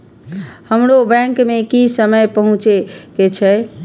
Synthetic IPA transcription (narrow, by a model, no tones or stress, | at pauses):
həmɾobɛ̃ŋkmekisəməjpəɦũt͡ʃeket͡ʃʰɛ